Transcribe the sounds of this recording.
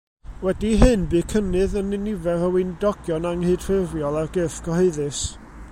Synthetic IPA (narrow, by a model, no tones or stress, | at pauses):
wɛdiɦɨnbɨkʰənɨðənɪnɪvɛɾəwɪndɔɡ̥jɔnaŋhɨd̥rɪrjɔlˠarɡɪːfɡ̥ɔheɨðɨs